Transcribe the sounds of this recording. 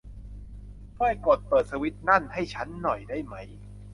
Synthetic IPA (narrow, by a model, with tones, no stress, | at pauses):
kʰɔː˥˩jko˨˩t̪̚pɤː˨˩t̪̚sʰa˧wi˦˥t̪̚na˥˩nha˥˩jt͡ɕʰa˦˥nːɔ˨˩jdaː˥˩jma˦˥j